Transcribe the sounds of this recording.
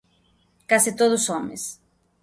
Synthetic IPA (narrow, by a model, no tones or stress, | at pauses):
kasit̪oðusomḛs